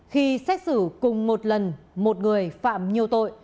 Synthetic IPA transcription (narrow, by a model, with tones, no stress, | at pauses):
xi˧sɛ˦˥k̚sɨ˧˩kʊ˨˩ŋ͡mmo˨˩t̚lə˨˩nmo˨˩t̚ŋɨ˨˩əjfa̰ː˧˨mɲi˨˩əwt̪o̰˧˨j